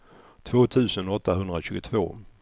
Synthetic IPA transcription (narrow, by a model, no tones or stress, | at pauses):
t̪ʰvoːt̪ʰʉ̟ːsənɔt̪ːaɦɵnd̪ɾaɕʉ̟ːɡʊt̪ʰvo̰ː